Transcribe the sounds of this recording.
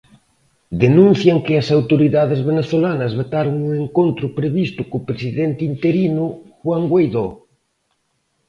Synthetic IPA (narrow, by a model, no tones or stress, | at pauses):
d̪enũn̟θjɐŋkɪɐsawt̪oɾiðaðezβeneθolanɐzβot̪aɾoŋuŋeŋkont̪ɾʊpɾeβist̪ʊkʊpɾesiðɛnt̪int̪eɾinʊxwaŋɡwejðo